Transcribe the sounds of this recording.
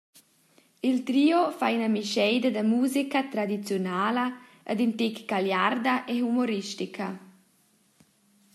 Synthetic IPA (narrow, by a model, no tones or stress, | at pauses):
ilt̪ɾiːofainəmiʃɛjd̪ɐd̪əmuːzikət̪ɾad̪it͡sjonaːlɐ | ʔə̰d̪int̪ikɡ̥aljard̪aʔeɦumoɾiʃtikʰɐ